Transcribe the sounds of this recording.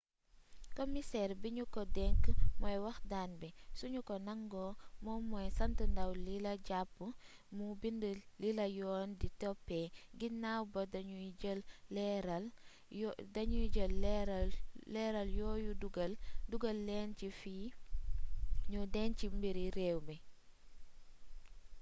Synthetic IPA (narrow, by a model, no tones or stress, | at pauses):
komisɛːɾbiɲukɔdɛŋkmɔjwɐxdaːnbɛsuɲukɔnɐŋɡɔmɔmɔjsɐntəndɐwlilɐɟapːə | mubindəlilɐjɔːnditɔpːɛɡinawbɐdɐɲuəlːɛɾɐl | dɐɲuɟəlːɛɾlːɛːɾɐljɔːjuduɡlduɡɐlːɛncifiː | ɲudɛːncimbiɾiɾɛːwbɛ